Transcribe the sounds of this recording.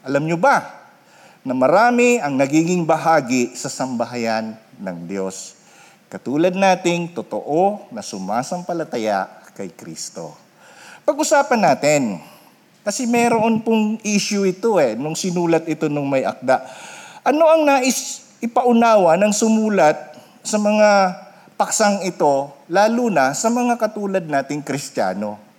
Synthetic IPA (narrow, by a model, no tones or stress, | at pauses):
ʔɐlamɲoba | nɐmɐɾaːmɪʔɐŋnɐɡiːɡɪŋbɐɦaːɡɪsɐsɐmbɐɦɐjanː | ɐŋd̪jo̞s | kɐt̪uːlɐd̪̚naːt̪ɪŋt̪ot̪oʔo̞nɐsʊmaːsɐŋpɐlɐt̪ɐja̰ʔkɐjkɾḭːst̪o̞̰ | pɐɡ̚ʔʊsaːpɐnːaːt̪ɪn | kɐsɛmɛɾoʔonpʊŋʔiːʃjʊʔɪt̪o̞ɛnʊŋsɪnuːlɐt̪ʔɪt̪o̞nʊŋmɐjʔɐ̰k̚d̪aʔʔɐno̞ʔɐŋnaʔɪs | ɪpɐʔʊnaːwɐnɐŋsʊmuːlɐt̪̚ | sɐmɐŋa | pɐksaŋɪt̪o̞laːlunɐsɐmɐŋakɐt̪uːlɐd̪̚naːt̪ɪŋkɾɪst̪ja̰ːno̞